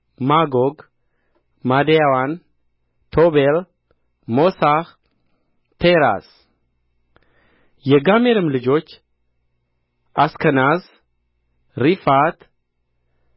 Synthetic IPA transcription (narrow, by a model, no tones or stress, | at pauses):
maɡoɡ | mad̪ejawan | t̪ʰobel | mosah | t̪ʰeɾa̰s | jɛɡameɾɨmlɨd͡ʒo̞t͡ʃː | ʔaskʰənaz | ɾifat̪